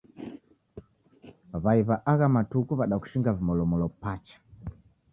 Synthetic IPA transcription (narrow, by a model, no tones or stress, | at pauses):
βaiβaʔaɣamatukuβaɗaku̥ʃiŋɡavimɔlɔmɔlɔpat͡ʃḁ